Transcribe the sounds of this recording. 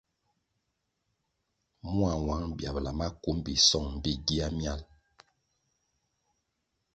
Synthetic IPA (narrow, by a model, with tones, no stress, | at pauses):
mu˦a˨wa˨˦ŋbja˨bla˨ma˦ku˨˦mbi˨sɔ˦˨ŋm̩˨bi˦ɡi˦a˦mja˦˨l